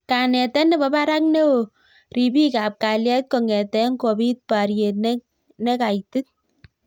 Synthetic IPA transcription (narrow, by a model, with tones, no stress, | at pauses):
ka˨nɛ˨tɛ˦nɛ˦bɔ˦pa˦ɾa˦k̚ne˦o˨ | ri˨pi˦ka˨p̚ka˨ljɛ˦t̚kɔ˨ŋɛ˨tɛ˦ŋko˨bi˦t̚pa˨ɾje˨tnɛ | nɛ˦ka˨itɪ˦t̚